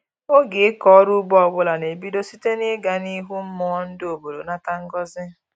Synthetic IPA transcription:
o˦ɡɪ˨ɪ˦kɔ˨˦ɾu˦ɡ͡bɔ˦ɔ˨ɡ͡bʊ˦la˨ne˨bi˦do˦si˦te˦nɪ˦ɡa˨ni˦ɦu˦m̩˦mɔː˦n̩˦do˨bo˨ɾo̰˨na˦ta˦ŋ̩˦ɡɔ˦zɪ˦

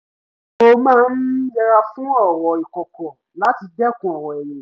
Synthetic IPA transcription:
o˧mãː˦˧n̩˦d͡ʒɛ˧ɾa˧fũ˦ɔ˦˨wɔ˨i˨kɔ˨kɔ̃˨ | la˦ti˧dɛ˦˨kũ˨ɔ˨wɔ˨ɛ˨jɛ̃˨

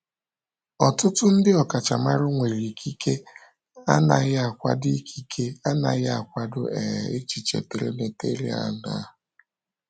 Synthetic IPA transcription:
ɔ˨tʊ˦tʊ˦n̩˦dɪ˦ɔ˨ka˨t͡ʃa˨ma˦ɾʊ˦ŋʷe˨ɾi˨kʰi˦kʰe˦ | a˦na˨ɣɪ˦a˨kʷa̰˦di˦kʰi˦kʰe˦a˦na˨ɣɪ˦a˨kʷa˦dʊ˦ɛ̰˨e˦t͡ʃi˨t͡ʃḛ˨te˨ɾḛ˦ne˨te˦ɾḭ˦a̰˦na̰˨˦

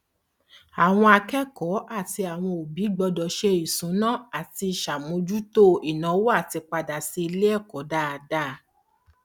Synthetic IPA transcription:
a˨w̃ɔ̃˧a˧kɛ˦kɔ˨˦ʔa˦˨ti˧a˨w̃ɔ̃˧o˨bi˨˦ɡ͡bɔ˧dɔ˨ʃe˧i˨sũ˨˦nã˦a˨ti˧˨ʃa˨mõ˨˧˦d͡ʒu˦to˦i˨nã˨˦wo˦a˦˨ti˧k͡pa˧da˨si˧i˧le˦ɛ˦˨kɔ˨˦da˦a˨da˦˧˦

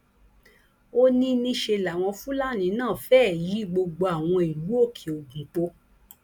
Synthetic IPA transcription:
o˦nĩ˧nĩ˧ʃe˧la˨w̃ɔ̃˧fũ˦la˦˨nĩ˨˧˦nãː˦˨fɛː˦˨ji˨˦ɡ͡bo˧ɡ͡bo˧a˨w̃ɔ̃˧i˨lu˨˦o˦˨kʰe˨o˨ɡũ˨k͡po˧

